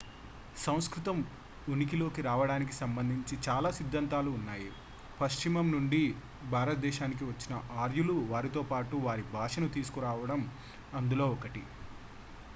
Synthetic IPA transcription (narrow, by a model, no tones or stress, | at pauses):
sɐ̃w̃skɾut̪ɐm | unikilo̞ːkiɾaːʋɐɽaːnik̬isɐmbɐnd̪ʱiɲt͡ʃit͡ʃaːlaːsid̪ʱːɐnt̪aːluːnːaːji | pɐʃt͡ʃimɐmnuɳɖi | bʱaːɾɐt̪̚d̪ɛːʃaːnik̬iʋɐt͡ʃːinɐʔaːɾjuluʋaːɾit̪o̞ːpaːʈuʋaːɾibʱaːʂɐnut̪iːsu̥kuɾaːʋɐɽɐm | ɐnd̪ulo̞ːɔkɐʈi